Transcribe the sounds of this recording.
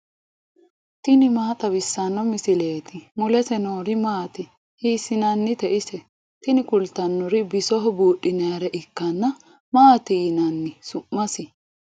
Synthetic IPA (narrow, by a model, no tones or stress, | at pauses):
t̪ɪnɪmaːt̪ʼɐβɪsːɐnːɔmɪsɪle̞ːt̪ɪmʊlɛsɛnoːɾɪmaːt̪ɪ | hiːsɪnɐnːɪt̪ɛʔɪsɛ | t̪ɪnɪkʊlt̪ːɐnːʊɾɪbɪsɔɦɔbuːɗɪneɾɛʔɪkːɐnːɐ | maːt̪ɪjnɐnːɪsʊmːɐsɪ